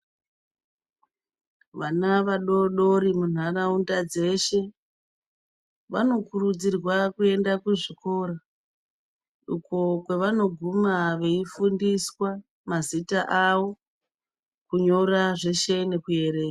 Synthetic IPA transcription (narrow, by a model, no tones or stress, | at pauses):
ʋanaʋaɗoɗo̞ɾimun̤araundad͡ze̞ʃe̞ | ʋano̞kurud͡zirwakue̞ndakuʐiko̞ɾa | ukokwe̞ʋano̞ɡʱumaʋe̞ifundiswa | mazitaʔawo̞ | kuɲo̞raʐe̞ʃe̞ne̞kuje̞ɾe̞ːka